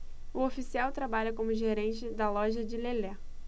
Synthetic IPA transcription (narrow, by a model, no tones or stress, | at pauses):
ʊofisiawt̪ɾabaʎɐkõmʊʒeɾẽnt͡ʃɪd̪ɐlɔʒɐd͡ʒɪlelɛ